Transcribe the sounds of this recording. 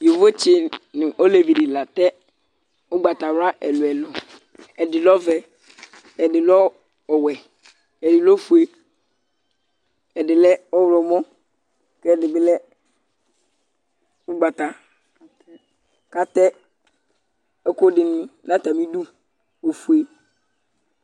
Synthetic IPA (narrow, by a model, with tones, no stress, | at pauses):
jo˨vo˦t͡ɕɪ˦nʊ̃˨ʔo˦le˨vi˨dɪ˨la˨tɛ˦ | ʊ˦ɡ͡ba˨ta˨wa˦ʔɛ̰˨lʊ˨ɛ˨lɔ˨ | ɛ˨dɪ˨lɔ˦vɛ˨ | ɛ˨dɪ˨lɔ˦ | ɔ˨wɛ˨ | ɛ˨dɪ˨lɔ˦fu˨e˦ | ɛ˨dɪ˨lɛ˦ɔ˦wɾɔ˨mɔ˦ | kɛ˦˨dɪ˨bɪ˦lɛ˦ | ʊ˦ɡ͡ba˨ta˨ | ka˦tɛ˦ | ɛ˦ko˦dɪ˨ñ˦nã˦ta˨mĩ˦du˦ | o˨fu˨e˦